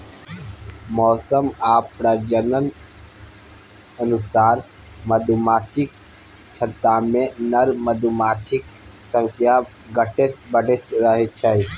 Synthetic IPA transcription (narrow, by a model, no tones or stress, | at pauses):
mɔːsəmaːpɾəd͡ʒənən | ənusaːɾ | məd̪umaːt͡ʃik̚ | t͡ʃʰət̪ːamẽnəɾməd̪umaːt͡ʃʰik | sə̃ŋkʰja | ɡəʈet̪̚bəɽet͡ʃɾəɦet͡ʃʰəj